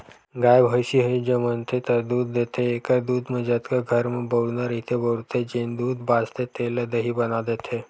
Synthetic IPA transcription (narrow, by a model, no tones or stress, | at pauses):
ɡajbʱəɕiɦed͡ʑemənt̪ʰet̪əɾd̪uːd̪ːet̪ʰeːkad̪uːd̪məd͡ʑat̪kaɡʱəɾməbəwnaɾit̪ʰebəɾt̪ʰed͡ʑend̪uːd̪bast̪et̪eləd̪əɦiːbənad̪et̪ʰe